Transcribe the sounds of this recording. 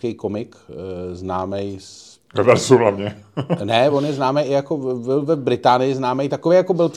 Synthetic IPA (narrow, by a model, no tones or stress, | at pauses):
kɛjkomɪkznaːmɛjs | ɛvɛɾsuɦlavɲɛnɛvonjɛznaːmɛjʔɪjakobɪlvɛbɾɪt̪aːnɪɪznaːmɛjt̪akovejakobɪlp